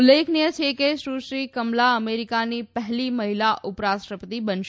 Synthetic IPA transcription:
lːekʰnijət͡ʃʰekeʃɾuʃɾikəmlaəmeɾikanipəɦliməɦilaʔʔʊpɾasʈɾəpət̪ibənʃ

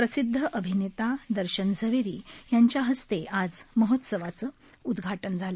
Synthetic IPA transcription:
pɾəsid̪ʱːəʔəbʱinet̪ad̪əɾɕənd͡zʱəʋeɾiːjaɲt͡ɕjaɦəst̪ead͡zməɦot̪səʋat͡sə | ud̪ɡʱaʈənd͡zʱalə

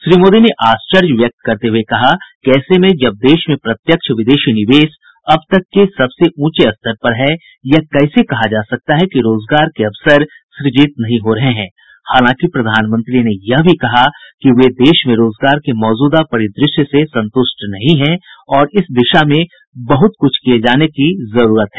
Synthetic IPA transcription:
ʃɾiːmoːd̪ineʔaːst͡ʃəɾd͡ʒʋjɐk̚t̪kɐɾt̪eɦuekɐɦakɛːsemẽd͡ʒɐb̚d̪eːʃmẽpɾɐt̪jəkʃʰʋɪd̪eːʃinɪʋeːs | ɐbt̪ɐkːesɐbseʔũːt͡ʃeɐst̪ʰəɾpɐɾɦɛ | jakɛːsekɐɦad͡ʒaːsɐk̚t̪aɦɛkiɾoːzɡaːɾkeɐʋsəɾ | ʃɾɪd͡ʒiːt̪̚nɐɦĩɦoɾɐɦeɦɛ̃ː | haːlãːkipɾɐd̪ʱaːnmə̃nt̪ɾinejɐɦbʱikɐɦakiʋed̪eːʃmẽɾoːzɡaːɾkemɔːd͡ʒuːd̪apɐɽid̪ɾɪʃjəsesɐ̃nt̪ʊʃʈnɐɦĩɦɛ̃ɔːɾɪsd̪ɪʃamẽ | bɐɦʊt̪̚kʊt͡ʃʰkijed͡ʒaːnekizɐɾuːɾət̪ɦɛː

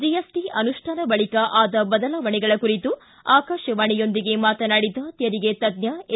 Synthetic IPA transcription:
d͡ʒijesʈiɐnuʂʈʰaːnɐbɐɭikɐʔaːd̪ɐbɐd̪ɐlɐʋɐɳɛɡɐɭɐkuɾit̪u | aːkaːʃɐʋɐɳɛjo̞nd̪iɡe̞maːt̪ɐnaːɽid̪ɐt̪jɐɾiɡet̪ɐd̪njɐ

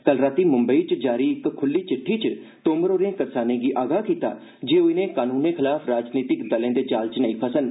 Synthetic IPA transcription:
ɡ̥əlɾaːt̪iːmʊ̃mbəit͡ʃd͡ʒaːɾiːɪkkʰʊlːiːt͡ʃɪʈʰːiːt͡ʃ | t̪oːməɾoːɾẽːkəɾsaːnẽːɡiːʔaːɡaːkiːt̪a̰ː | d͡ʒeːoɪnẽːkaːnuːneːkʰɪlaːpʰɾaːd͡ʒniːt̪ɪkd̪əlẽːd̪eːt͡ʃaːlt͡ʃnəĩːpʰəsən

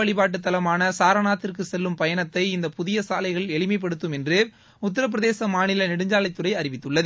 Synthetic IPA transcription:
ɐɭɪpaːʈ̬ːɯt̪ːɐlɐmaːnɐsaːɾɐnaːt̪ːɪrkɯsɛlːɯmpɐjɐnɐt̪ːɐɪɪnd̪ɐpʊðɪjɐsaːlɐɪɣɐɭɛɭɪmɐɪp̬ːɐɽɯt̪ːɯmɛndrɯ | ʊt̪ːɐɾɐp̬ːɪɾɐðeːsɐmaːnɪlɐnɪɽɯɲd͡ʒaːlɐɪt̪ːɯrɐɪɐɾɪʋɪt̪ːɯɭːɐð

